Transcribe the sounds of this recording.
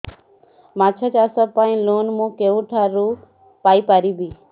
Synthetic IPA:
maːt͡ʃʰat͡ʃaːsəpaːĩloːnmũːkeːũʈʰaːɾu | paːipaːɾiːbʱiː

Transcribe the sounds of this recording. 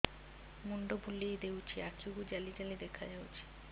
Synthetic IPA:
muɳɖobʱulejd̪ewt͡ɕʰiat͡ɕuɡud͡ʑalid͡ʑalid̪ɛkʰad͡ʑawt͡ɕʰi̥

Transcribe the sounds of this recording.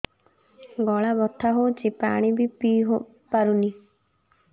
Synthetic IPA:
ɡɔɭabɔt̪ʰːaɦowt͡ʃʰipaɽ̃ibipiɦo | paɾuni

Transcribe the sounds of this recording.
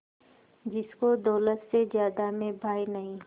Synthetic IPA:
d͡ʒɪskod̪ɔːlət̪sezjaːd̪amẽbʱaːinɐɦĩː

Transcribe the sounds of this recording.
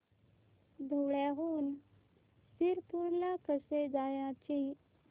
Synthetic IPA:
d̪ʱuɭaɦuːn | siɾpuɾlakəsed͡zajãt͡ɕĩ

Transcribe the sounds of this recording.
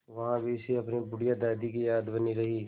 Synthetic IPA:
ʋɐɦãbʱiseɐpnibʊɽijad̪aːd̪ikijaːd̪bɐniɾɐɦiː

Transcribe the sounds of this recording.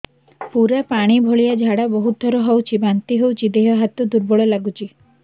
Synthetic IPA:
puɾapaɽ̃ibʱɔɭijad͡ʒʱaɽabɔɦut̪̚d̪ʱɔɾɔɦowt͡ʃʰibant̪iɦowt͡ʃʰid̪eɦɔɦat̪ud̪uɾbɔɭɔlaɡut͡ʃʰi

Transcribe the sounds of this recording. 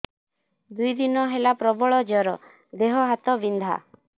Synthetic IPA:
d̪ujd̪inɔɦelapɾɔbɔɭɔd͡ʒɔɾɔ | d̪eɦɔɦat̪ɔbind̪ʱa̰

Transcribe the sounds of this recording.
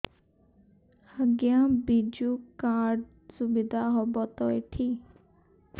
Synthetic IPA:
həɡjabid͡ʒukaɾɖ | subid̪ʱaɦɔbɔt̪ɔjʈʰi

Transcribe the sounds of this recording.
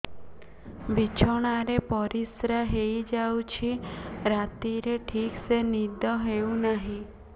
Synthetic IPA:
bit͡ʃʰɔɽ̃aɾepɔɾisɾaɦejd͡ʒawt͡ʃʰiɾat̪iɾeʈʰiksenid̪ɔɦeũnaɦĩ

